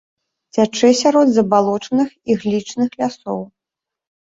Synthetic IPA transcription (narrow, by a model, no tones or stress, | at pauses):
t͡sʲat͡ʂɨsʲaɾɔd̪zɐbalˠɔt͡ʂɐnɨxiɣlʲit͡ʂnɨxlʲasɔw